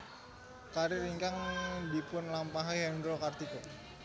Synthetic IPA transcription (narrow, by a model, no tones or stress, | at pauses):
kaɾiɾiŋkaŋbipʊnlampaɦajɦɛndɾokart̪iko